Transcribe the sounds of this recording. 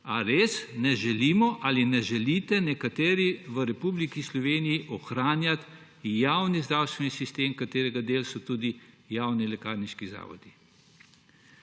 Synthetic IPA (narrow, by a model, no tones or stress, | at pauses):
a̰ɾeːsnɛʒɛliːmɔʔaːlinɛʒɛlit̪ɛnɛkat̪eːɾiʋəɾɛpublikislɔʋeːnijiʔɔxɾaːnjat̪ | jaːwnizd̪ɾaːwst̪ʋɛnisist̪eːmkat̪eːɾɛɡad̪eːlsɔt̪ud̪i | jaːwnilɛka̰ːɾniʃkiza̰ːʋɔ̰d̪̥i